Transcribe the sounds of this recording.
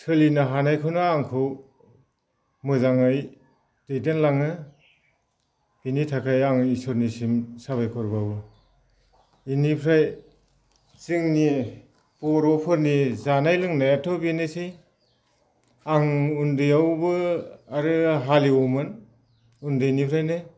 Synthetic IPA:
tʰɯlinaɦanajkʰɯnɯaŋkʰɯw | mɯzaŋaj | dejdenlaŋɯ | b̥initʰakʰajaŋisɔɾnisimsaβajkʰɔɾbawbɯ | inipʰɾaj | zɯŋni | pɔɾɔpʰɯɾnizanajlɯŋnajatʰɔbinɯsij | aŋundɯjawbɯaɾɯɦaliumɯn | undɯjnipʰɾajnɯ

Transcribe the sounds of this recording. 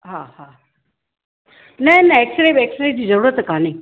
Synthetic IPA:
ɦahaː | nɐnɐeksɾeːbeːksɾeːb̚d͡ʑiːzɐɾuːɾət̪kaːneː

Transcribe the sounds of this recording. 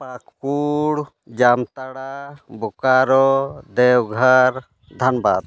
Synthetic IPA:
pakuɽ | d͡ʒamt̪aɽabukaɾɔd̪ɛwɡʱaɾ | d̪ʱanba̰d̪̚

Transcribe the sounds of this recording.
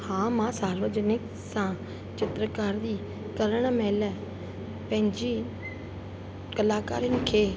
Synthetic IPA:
hãːmãːsaːɾʋəd͡ʒnɪk | sã | t͡ʃɪt̪ɾəkaːɾd̪iː | kəɾəɽ̃meːlə | pɐ̃ɦɪ̃ɲd͡ʒiː | kəlaːka̰ːɾənɪkʰeː

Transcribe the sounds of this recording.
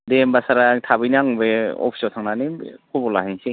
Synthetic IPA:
dembasaɾatʰabɯjnaŋbeɔ̰pʰi̥sɔtʰaŋnanikʰubɔlaɦiŋse

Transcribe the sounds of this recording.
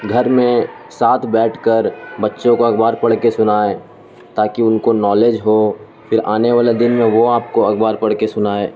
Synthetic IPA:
ɡʱɐɾmẽ | saːt̪ʰbɛːʈʰkəɾbɐtːʃõkoɐɡbaːɾpɐɽ̤kesʊnaːe | t̪aːkiʊnkonɔːleːd͡ʒɦo | fʰɪɾaːneʋaːled̪ɪnmẽʋoaːp̚koɐɡbaːɾpɐɽkesʊnaːeː

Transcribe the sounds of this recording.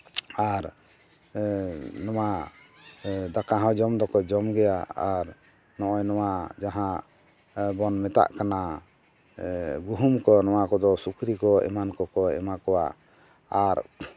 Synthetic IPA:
aɾ | nɔwa | d̪akaɦãwd͡ʒɔmd̪ɔkɔd͡ʒɔmɡɛjaaɾ | nɔ̃ʔɔjnɔwad͡ʒaɦã | bɔnmɛt̪a̰ʔkana | ɡuɦumkɔnɔwakɔd̪ɔsukɾikɔɛ̰mankɔkɔɛ̰makɔwa̰ | aɾ

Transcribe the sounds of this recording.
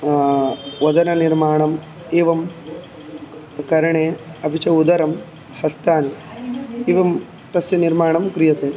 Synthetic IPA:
ʋɐd̪ɐnɐniɾmaːɳɐm | eːʋɐm | kɐɾɐɳeːɐbʱit͡ʃɐud̪ɐɾɐm | hɐst̪aːni | eːʋɐm | t̪ɐsjɐniɾmaːɳɐmkɾijɐt̪eː

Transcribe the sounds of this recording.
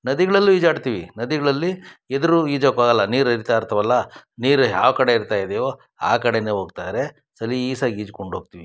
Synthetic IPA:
nɐd̪iɡɐɭɐlːuiːd͡ʒaːɖt̪iːʋḭnɐd̪iɡɐɭɐlːied̪ɐɾuiːd͡ʒokaːɡɐlːɐniːɾiɾt̪ajiɾt̪ʰɐʋɐlːɐniːɾja̰ːʋkɐɽe̞iɾt̪aːjd̪eːʋo | a̰ːkɐɽeneɦoːɡt̪aːd̪ɾe̞ | sɐliːsɐɡiːd͡ʒkoɳɖoːɡ̚t̪iʋi

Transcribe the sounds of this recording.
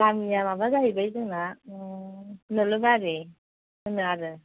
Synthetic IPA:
kamijamabazaɦibajzɯŋna | nɯlɯbaɾi | ɯnɯaɾɯ

